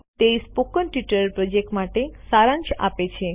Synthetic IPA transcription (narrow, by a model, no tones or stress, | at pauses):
t̪espokənʈiʈəɾpɾod͡ʒek̚ʈmaʈesaɾãɲt͡ʃa̰pet͡ʃʰe